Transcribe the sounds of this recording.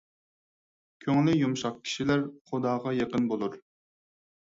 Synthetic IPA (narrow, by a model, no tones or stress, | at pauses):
kʲʰøŋlɪjumʃɑq̚kʲʰi̥ʃilæɾχʊd̪ɑːʁɑjeqənbolˠuɾ